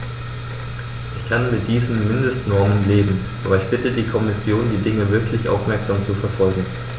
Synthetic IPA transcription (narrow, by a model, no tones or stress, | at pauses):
ʔɪçkʰanmɪt̚d̥iːzn̩mɪndəstnɔɐmənleːbm̩ʔaːbɐɪçb̥ɪtədiːkʰɔmɪsjoːndiːdɪŋəvɪɐkʰlɪçʔa̰ʊfmɛɐkz̥aːmt͡sufɛɐfɔlɡŋ̩